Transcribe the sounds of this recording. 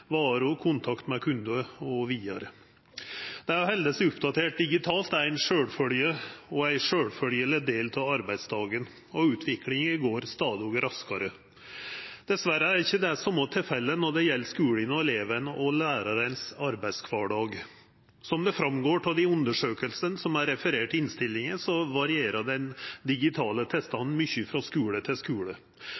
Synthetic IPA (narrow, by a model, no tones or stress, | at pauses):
ʋɑːɾʉɔkʰʊnt̪ʰɑkt̪mɛkʰʉnd̪ʉəɔʋiːɑ̰ɾə | d̪̥ɛæjʊhɛld̪əsʊpd̪ɑt̪ʰeːʈ̚d̪ɪɡɪt̪ʰɑːlt̪æɾæɪnʂøːɽfœljəɔæɪʂøːɽfœljəlɛd̪eːlt̪ʰɑɑɾbæɪd̪sd̪ɑːɡən | ɔʉːt̪ʰʋɪklɪŋɪɡoːɾst̪ɑːd̪ɪɔɡɾɑskɑɾə | d̪̥ɛsʋæɾəæɾɪçːəd̪ɛsɔmːɑt̪ʰɪfɛlːənɔɖ̪ɛjɛlːskʉːɽɪnɔɛleːʋənəʔɔlæːɾɑɾənsɑɾbæɪd̪skʰʋɑːɖɑːɡ | sɔmd̪ɛfɾɑmɡoːʈʰɑld̪ɪʉnd̪əʂøːkəlsənsɔmæɾɛfəɾeːʈːɪɪnst̪ɪlːɪŋənsɔʋɑɾɪeːɾəɖɛnd̪ɪɡɪt̪ʰɑːlət̪ʰɪlst̪ɑnn̩mʏçəfɾɑskʉːɽət̪ʰɪskʉːɭə